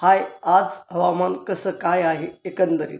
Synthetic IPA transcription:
hajad͡zɦəʋamankəsəːkajaɦeekənd̪əɾḭt̪

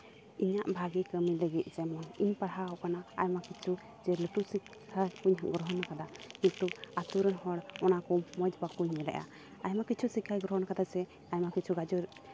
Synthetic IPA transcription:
iɲaʔbʱaɡikəmiləɡit̪̚ˀd͡ʒɛmɔniɲpaɽɦaɦɔkanaa̰jmakit͡ʃʰu | d͡ʒɛləʈusikʰː | ajkuɲɦɡɾɔɦɔnkad̪akint̪uat̪uɾənhɔɽɔnakɔmɔd͡ʒbakuɲːɛlɛ̰ʔa̰ | ajmakit͡ʃʰusikʰːajɡɾɔɦɔnkad̪asɛ | ajmakit͡ʃʰuɡad͡ʒuɾ

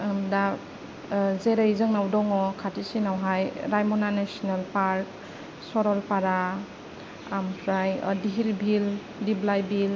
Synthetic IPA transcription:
mda | zeɾajzɯŋnawdɔŋɔkʰatisinawɦajɾajmɔnanesɔnalpaɾk̚ | sɔɾɔlpaɾa | amkʰɾajdiɦiɾbʱil | diblajbil

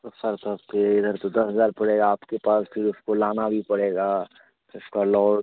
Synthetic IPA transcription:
t̪osɐɾt̪aːpkeɪd̪ʱəɾt̪od̪ɐsɦəzaːɾpɐɽeːɡaːpkepaːspʰɪɾʊskolaːnabʱipɐɽeːɡaː | ʊskalɔːɽ

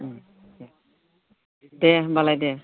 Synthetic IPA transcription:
dɛbalajdɛ

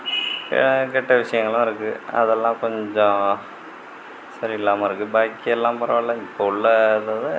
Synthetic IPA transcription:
kɛʈːɐʋɪʂɐjɐŋɡɐɭʊ̃ːɪɾɯkːɯɐ̰ðɛlːãːkɔɲd͡ʑõ | sɐɾiɪlːaːmaːɪɾɯkːɯbaːjkːiɛlːãːmpɐɾɐʋɭːɐŋpːoʊɭːɐɐðaːðɯ

